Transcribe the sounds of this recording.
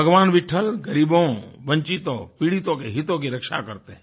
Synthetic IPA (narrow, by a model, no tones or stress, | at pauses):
bəɡʋaːnʋɪʈʰəlɡɐɾiːbõʋɐ̃ɲt͡ʃit̪õpiɽit̪õkeɦɪt̪õk̬iɾɐkʃa̰kɐɾt̪eɦɛ̃